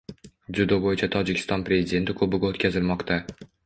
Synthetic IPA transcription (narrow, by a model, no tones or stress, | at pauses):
d͡ʒʊd̪obojɪt͡ʃʰat̪ʰɒd͡ʒɪkʲʰɪ̥st̪ɒnpɾʲe̞zɪd̪e̞nt̪ʰɪkʰɵbɪɡʲaot̪kʲʰazɪlmɒqt̪a